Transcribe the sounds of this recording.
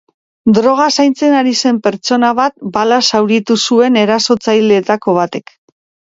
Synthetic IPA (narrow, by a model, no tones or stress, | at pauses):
d̪ɾo̞ɣ̞asajnt͡se̞naɾise̞mpe̞ɾt͡ʃo̞naβat̪̚balasawɾit̪usue̞ne̞ɾaso̞t͡sajle̞ːt̪ako̞β̞at̪e̞k